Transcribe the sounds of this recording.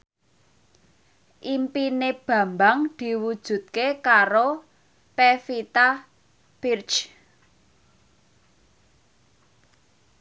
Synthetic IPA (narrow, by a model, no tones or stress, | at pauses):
ʔimpineb̥ä̤mbaŋd̪̥i̤wud̥ʒ̥ṳt̪̚kekaɾo | pefit̪a | b̥irt͡ʃ